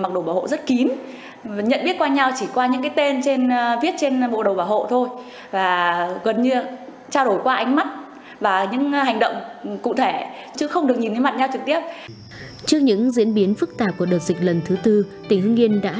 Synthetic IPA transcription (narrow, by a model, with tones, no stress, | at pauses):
ma˨˩k̚ɗəo˨˩ɓaː˧˩ho̰˧˨zə˦˥t̚ki˨˦n˨ | ɲə̰˧˨nʔɓi˦˥ət̚kwaː˧ɲa˧wt͡ɕi˧˩kwaː˧ɲɨ̰˧˥kaː˨˦jt̪e˧nt͡ɕe˧nvi˦˥ət̚t͡ɕe˧nɓo̰˧˨ɗə˨˩wɓaː˧˩wɦo̰˧˨t̪ʰo˧j | vaː˨˩ɣə˨˩nɲɨ˧ | t͡ɕaː˧wɗo˧˩jkwaː˧ʔa˨˧jŋ̟ma˦˥t̚ | vaː˨˩ɲɨ̰˧˥ŋha˨˩jŋ̟ɗə̰˧˨wŋ͡mkʊ̰˧˥t̪ʰe˧˩ | t͡ɕɨ˨˦xə˧wŋ͡mɗɨ˨˩ək̚ɲi˨˩nt̪ːə˨˦ma˨˩t̚ɲa˧wt͡ɕɨ˨˩k̚t̪i˦˥əp̚ | t͡ɕɨ˦˥k̚ɲɨ̰˧˥ŋzḭ˧˥ənɓi˨˦ənfɨ˦˥k̚t̪aː˨˩p̚ku˧˩əɗəː˨˩t̚zï˨˩k̟̚lə˨˩nt̪ʰɨ˨˦t̪ɨ˧t̪ï˧˩ŋ̟hɨ˧ŋi˧ənɗa̰ː˧˥